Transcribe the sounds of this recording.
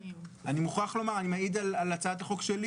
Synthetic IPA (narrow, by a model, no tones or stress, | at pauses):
ʔanimuχaχlo̞maʁanimaid̪alalat͡saad̪aχo̞kʃeli